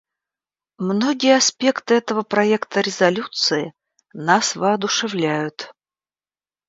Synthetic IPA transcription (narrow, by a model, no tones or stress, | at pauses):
mnoɡʲɪjəɐspʲe̞kt̪ɨɛt̪əvəpɾɐɛkt̪əɾʲɪzɐlʲut̪sɨɪ | nasvəɐd̪ʊʂɨvlʲæjʊt̪